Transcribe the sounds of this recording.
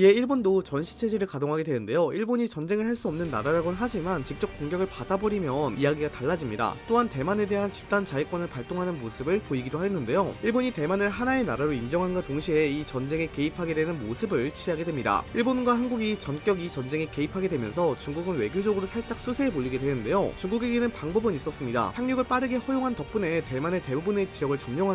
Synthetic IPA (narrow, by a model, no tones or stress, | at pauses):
ie̞iɭbondot͡ɕʌnɕʰi̥t͡ɕʰed͡ʑʰeɾɯɭkadoŋɦaɡe̞dwe̞nɯnde̞joiɭboɲit͡ɕʌnd͡ʑe̞ŋɯɭhaɭs͈uʌmnɯnːa̰ɾaɾaɡonnɦad͡ʑimant͡ɕik̚t͡ɕ͈ʌp̚k͈oŋɡjʌɡɯɭpad̥abʌɾimjʌnijaɡiɡataɭːad͡ʑimɲida̰t͈oɦante̞mane̞de̞ɦant͡ɕi̥p̚t͈ant͡ɕaik͈wʌnɯɭpaɭt͈oŋɦanɯnmosʰɯbɯɭpoiɡidohajʌnːɯnde̞joiɭboɲite̞manɯɭɦanae̞naɾaɾoind͡ʑʌŋɦanɡatoŋɕʰie̞it͡ɕʌnd͡ʑe̞ŋeke̞ipʰaɡe̞dwe̞nɯnmosʰɯbɯɭt͡ɕʰiiɦaɡe̞dwemɲida̰iɭbonɡwaɦanɡuɡit͡ɕʌnk͈jʌɡit͡ɕʌnd͡ʑe̞ŋeke̞ipʰaɡe̞dwe̞mjʌnsʰʌt͡ɕuŋɡuɡɯnwe̞ɡjod͡ʑʌɡɯɾosʰaɭt͡ɕ͈ak̚s͈ʰusʰeːpoʎːiɡe̞dwenɯnde̞jot͡ɕuŋɡuɡeɡinɯnpaŋbʌbɯnis͈ʌs͈ɯmɲida̰hʰjaŋːuɡɯɭp͈aɾɯɡe̞hʌjoŋɦantʌk̚p͈une̞te̞mane̞te̞bubune̞t͡ɕiʌɡɯɭt͡ɕʌmɲːʌŋɦa